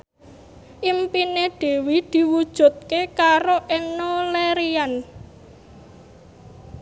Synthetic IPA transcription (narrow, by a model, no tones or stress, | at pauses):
ʔimpineɖ̥e̤wid̪̥i̤wud̥ʒ̥ṳt̪̚kekaɾoʔɪŋoleɾian